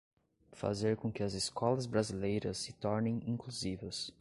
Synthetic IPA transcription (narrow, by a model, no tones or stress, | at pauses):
fa̰zeɾkõkɪɐzɪskɔlɐzbɾazilejɾɐsɪt̪ɔɾnẽj̃ĩŋkluzivɐs